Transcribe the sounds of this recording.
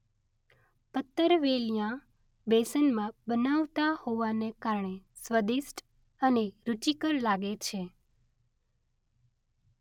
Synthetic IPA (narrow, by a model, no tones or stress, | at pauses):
pət̪ːəɾʋelijã | besənmãbənaʋt̪ahoʋanekaɾɳesʋəd̪isʈ | əneɾut͡ʃikəɾlaɡet͡ʃʰe